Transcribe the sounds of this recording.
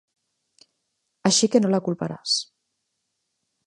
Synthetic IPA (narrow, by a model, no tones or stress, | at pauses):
aʃikenolakulˠpaɾa̰s